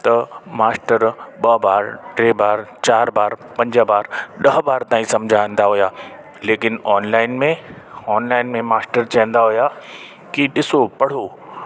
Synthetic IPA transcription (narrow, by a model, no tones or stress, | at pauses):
t̪ɐmaːsʈəɾɓɐbaːɾʈɾeːbaːɾt͡ɕaːɾbaːɾpɐ̃ɲd͡ʑəbaːɾɗɐɦbaːɾt̪ãːĩsɐ̃md͡ʑʱaə̃nd̪aɦʊjaː | leːkɪnɔːnlaːɪnmẽ | ɔːnlaːɪnmẽmaːsʈəɾt͡ɕɐɦə̃n̆d̪aɦʊja | kiɗɪsopɐɽ̤o